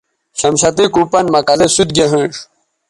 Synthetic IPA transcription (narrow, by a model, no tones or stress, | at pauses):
ɕɐmɕɐt̪ikupɐnmɐkɐzesud̪̚ɡeɦə̃ʂ